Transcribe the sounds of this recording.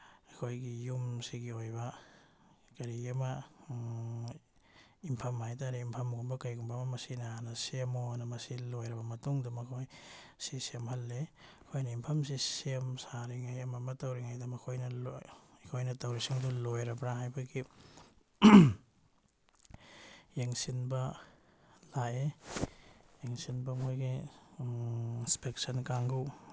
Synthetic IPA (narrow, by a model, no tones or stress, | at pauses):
ɐkʰojɡijumsiɡiojbɐ | kɐɾiɐmɐ | impʰɐmːajtaɾiimpʰɐmɡumbɐkɐɾjɡumpʰamɐmɐsinahanɐsemonɐmɐsilojɾɐbɐmɐtuŋdumɐkʰojsisemhɐlːeɐkʰojnɐimpʰɐmsisemsaɾiŋajɐmɐmɐtɐwɾiŋajdɐmɐkʰojnɐlokʰojnɐtɐwɾisiŋdulojɾɐbɾaɦajbɐɡi | jeŋsinbɐ | lae | jeŋsinbɐmojɡi | nspeksɐnkaŋɡuw